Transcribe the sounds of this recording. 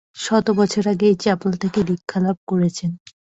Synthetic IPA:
ʃɔt̪obɔt͡ɕʰoɾaɡejt͡ɕɛpult̪ʰekelikʰːalab̚ʱkoɾet͡ɕʰen

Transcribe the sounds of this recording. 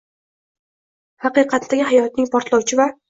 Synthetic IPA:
hɑqɨqʰɑt̪d̪aɡʲɪɦajɒt̪̚nɪŋpʰɒɾt̪lˠɒwt͡ʃʰɪva

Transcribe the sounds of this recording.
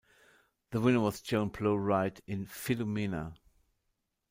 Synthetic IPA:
ðəwɪ̃nə˞wʌzd͡ʒõʊ̃npʰloʊɹaɪtɪ̃nfɪləminə̰

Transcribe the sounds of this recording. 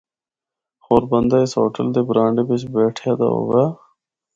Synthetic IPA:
hoːɾbənd̪aːɪsoːʈəld̪eːbɾãːɳɖebet͡ʃbeːʈʰeːd̪a̰ːɦo̰ːɡaː

